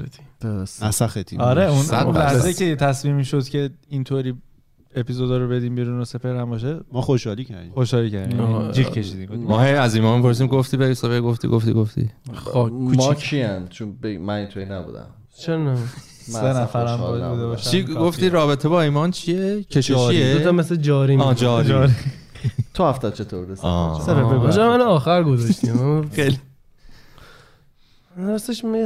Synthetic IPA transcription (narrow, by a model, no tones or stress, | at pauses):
t̪i̥æsæxet̪ʰḭɒɾeunnlæhzeicʰet̪ʰæsmiːmiʃod̪̥cʰe̞int̪ʰoɾiː | epizod̪ɒɾobe̞d̪iːmbiɾuːnose̞pʰeɾæmbɒʃ̬emɒːχoʃhɒːliːcʰæɾd̪ixo̞ʃhɒːliːcʰæɾd̪imjnd͡ʒicʰe̞ʃiːd̪iːmmɔhejæziːmɒːmipʰo̞ɾs̬iːmɡoft̪iːbeisefejɡoft̪ḭɡoft̪ḭɡoft̪ʰḭokʰuːmt͡ʃːʰiænt͡ʃʰonbemænint̪ʰuinæbṵd̪æ̰m | t͡ʃʰeɾnæ | mæsenæfæɾæmɔ̰ud̪ebɔʃt͡ʃʰiːɡoft̪iːɾɒːbe̞t̪ʰebɒːiːmɒnt͡ʃʰiekʰeʃɔɾieoɒmesled͡ʒɒːɾiːd͡ʒɒɾɾi | t̪ʰohæft̪æd̪̚t͡ʃʰet̪ʰobud̪esɔ̰ːseɾæfeɡd͡ʒɛmænoɒːxæɾɡozɒʃt̪imaxeli | seʃme